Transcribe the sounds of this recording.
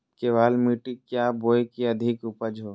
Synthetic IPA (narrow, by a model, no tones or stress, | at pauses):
keʋaːlmiːʈikjaboːjkiɐd̪ʱɪkʊpəd͡ʒɦoː